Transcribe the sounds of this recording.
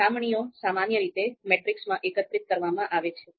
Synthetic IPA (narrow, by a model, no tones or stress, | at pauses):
amɳijosamanjəɾit̪emeʈɾiksmãʔekət̪ɾit̪̚kəɾʋamãʔaʋet͡ʃʰe